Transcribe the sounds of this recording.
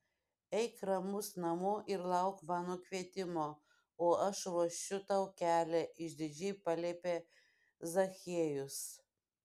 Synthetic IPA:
ɛɪkɾɐmʊsnɐmʊʔɪɾlˠɐˑʊkʋɑːnoːkʲʋʲiɛt̪ʲɪmoː | oːɐʃʋoʃʲt͡ʃʲʊt̪ɑʊkʲæːlʲɛʔɪʃʲd̪ʲɪd͡ʒʲɛɪpɐlʲeːpʲeː | zɐxʲeːjʊs

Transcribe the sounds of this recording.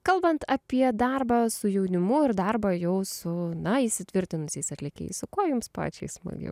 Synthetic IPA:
kɐlˠbɐnt̪ɐpʲiɛd̪ɑrbɑːsʊjɛʊnʲɪmʊɪɾd̪ɑrbɑjɛʊsʊnɐiʃʲsʲɪt̪ʲʋʲɪɾʲt̪ʲɪnʊsʲɛɪsɐt̪ʲlʲɪkʲɛ̰ɪssʊkoɔjʊmspɑ̰ːt͡ʃʲɛɪsmɐ̰ɡʲɛ̰ʊ

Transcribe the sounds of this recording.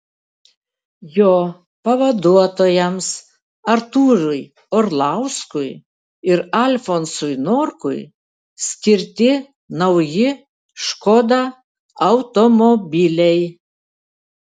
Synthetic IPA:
joː | pɐʋɐd̪uɔt̪oːjɛms | ɐɾt̪uːɾʊj | ɔɾlˠɑˑʊskʊɪ | ɪɾɐlʲfoɔnsʊjnoːɾkʊɪ | sʲkʲɪɾʲt̪ʲɪ | nɐʊjɪ | ʃkoːd̪ɑ | ɐʊt̪omɔbʲɪlʲɛɪ

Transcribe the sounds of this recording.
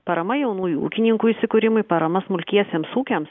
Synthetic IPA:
pɐɾɐmɐjɛʊnuːjuṵːkʲɪnʲɪŋkuisʲɪkʊɾʲɪmʊɪpɐɾɐmɐsmʊlʲkʲiɛsʲeːmsuːkʲems

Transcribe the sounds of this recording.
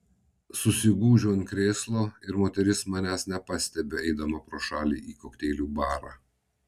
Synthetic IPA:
sʊsʲɪɡuːʒʲoːɪnkɾʲeːslˠoːɪɾmoːt̪ʲɛɾʲɪsmɑːnʲæsnʲɛpɑsʲt̪ʲɛbʲeɛɪd̪ɐmɐpɾoːʃɑːlʲḭːʔiːkoːkt̪ʲeːlʲuːbɑːɾɑ

